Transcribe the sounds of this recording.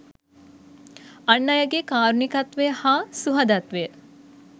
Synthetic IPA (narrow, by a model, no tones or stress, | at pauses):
ɐɳːɐjɐɡekaːɾunikɐt̪ʋehaːsuɦɐd̪ɐt̪ʋe